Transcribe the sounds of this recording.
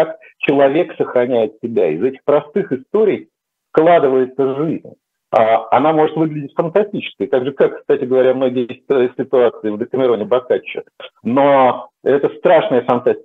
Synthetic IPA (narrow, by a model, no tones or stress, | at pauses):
ak | t͡ɕɪlˠɐvʲe̞ksəxɾɐnʲæjɪt̪sʲɪbʲæ̰ɪ̰zɛtʲɪ̥xpɾɐst̪ɨxɨst̪o̞ɾʲɪj | fklˠad̪ɨvəjɪt̪səʐizʲnʲ | aɐ̰namo̞ʐɨt̪vɨɡlʲɪdʲɪtʲfənt̪ɐsʲtʲit͡ɕɪ̥skʲəjt̪aɡʐɨkakst̪atʲɪɡəvɐɾʲamno̞ɡʲɪjjestt̚ʲsʲɪt̪ʊat̪sɨɪvd̪əkəmʲɪɾo̞nʲɪbɐkat͡ɕːɪ̰noɛt̪əst̪ɾaʂnəjəfɐnt̪asʲ